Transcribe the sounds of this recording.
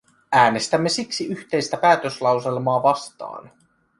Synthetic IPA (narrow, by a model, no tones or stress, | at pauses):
ʔæːne̞st̪æmːe̞siksiʔyçt̪e̞jst̪æpæːt̪øslɑwselmoːʋɑst̪ɑ̰ːn